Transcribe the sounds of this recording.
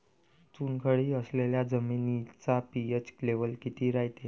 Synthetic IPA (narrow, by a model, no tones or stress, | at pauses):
t͡suːnkʰəɭiːəsleljad͡zəminit͡sapiet͡ɕkleʋəlkit̪iːɾaɦit̪e